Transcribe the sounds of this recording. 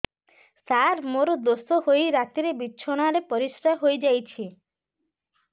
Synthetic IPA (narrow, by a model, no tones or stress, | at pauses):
saɾmoɾod̪osoɦojɾat̪iɾebitːʃʰoɽ̃aɾepɔɾisɾaɦojd͡ʒajt͡ʃʰi